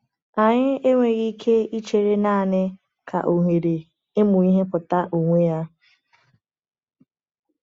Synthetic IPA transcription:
a˨ɲɪ˦e˦ŋʷe˨ɣi˦kʰe˦i˦t͡ʃe˨ɾe˦na˦˨nɪ˦ | kʰa̰˨ʔo˨ɦe˨ɾe˨ | e˦mʊ˨i˦ɦe˦pʊ˨ta˦ʔo˨ŋʷe˦a˦

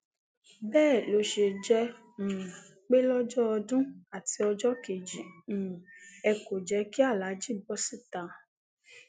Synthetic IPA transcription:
bɛː˦˨lo˧ʃe˧d͡ʒɛ̃˧˨ | k͡pe˦lɔ˦d͡ʒɔ˦ɔ˧dũ˦a˦˨ti˧ɔ˧d͡ʒɔ˦ke˨d͡ʒĩ˨ | ɛ˧ko˨d͡ʒɛ˧˦ki˦a˦˨la˨˦d͡ʒi˦˨bɔ˨˦si˦˨ta˨˦

